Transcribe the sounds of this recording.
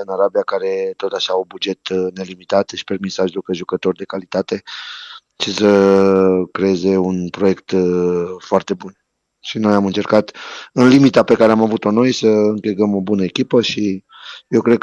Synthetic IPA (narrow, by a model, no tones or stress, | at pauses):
ɨnaɾabiakaɾe̞t̪o̞t̪aʃaubud͡ʒe̞t̪ne̞limit̪at̪ʃi̥pe̞rmisaʒlupeʒukət̪o̞rʲd̪e̞kalit̪at̪e̞ | t͡ʃisə | kɾe̞jeze̞unpɾo̞je̞kt̪ | foart̪e̞bun | ʃino̞jamɨnt͡ʃe̞rkat̪ɨnlimit̪ape̞kaɾeamavut̪o̞no̞jsəɨŋkilɡəmo̞bunəekʲipəʃi | jewkɾe̞d̪̚